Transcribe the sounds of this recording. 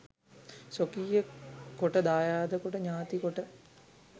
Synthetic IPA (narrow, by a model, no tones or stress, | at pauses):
sokiːjəkoʈəd̪aːjaːd̪əkoʈəɲaːt̪ikoʈə